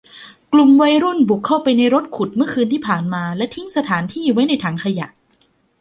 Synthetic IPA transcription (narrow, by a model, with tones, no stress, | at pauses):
klu˨˩mwa˧jɾu˥˩nbu˨˩kʰːa˥˩wpa˧jna˧jɾo˦˥t̪̚kʰu˨˩t̪̚mɯ˥˩ɐkʰɯː˧nt̪ʰiː˥˩pʰaː˨˩nmaː˧lɛ˦˥t̪ʰi˦˥ŋsa˧t̪ʰaː˩˦nt̪ʰiː˥˩wa˦˥jna˧jt̪ʰaː˩˦ŋkʰa˧ja̰˨˩ʔ